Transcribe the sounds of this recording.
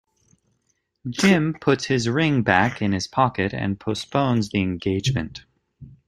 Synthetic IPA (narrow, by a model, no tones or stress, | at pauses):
d͡ʒɪ̃mpʰʊtshɪzɹɪ̃ŋbækɨ̃nɨz̥pʰɑkɨɾɨ̰̃npʰəspõʊ̃nzðiɨ̃nɡeɪd͡ʒmɨ̰̃nt